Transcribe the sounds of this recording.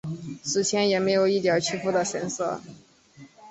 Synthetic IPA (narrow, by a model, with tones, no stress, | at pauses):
ʂɻ̩˧˥t͡ɕʰjɛ˧˥njɛ˨˩me˧˥ɪjo˨˩ʊi˥˩t̪jɑ˨˥t͡ɕʰy˥fu˥d̪ə˨ɕɛ˧˥nsɤ̰˥˩